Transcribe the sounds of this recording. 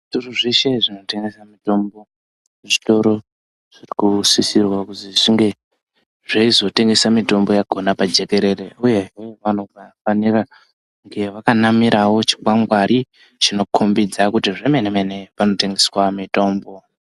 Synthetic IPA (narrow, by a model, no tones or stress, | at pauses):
ʐituruʐeʃe̞ʐino̞te̞ŋɡe̞samito̞mbo̞ | ʐito̞ɾo̞ | ʐ̥irikusisirwakutiʐiŋɡe̞ | ʐeizo̞te̞ŋɡe̞samito̞mbo̞jaɡʱo̞napad͡ʒe̞ke̞ɾe̞re̞uje̞ʐe̞ʋano̞vafanira | ŋɡe̞ʋakanamiɾawo̞t͡ʃi̥kwaŋɡwaɾi | t͡ʃino̞kʰumbid͡zakutiʐemenemene̞pano̞te̞ŋɡe̞swamito̞ːmbo̞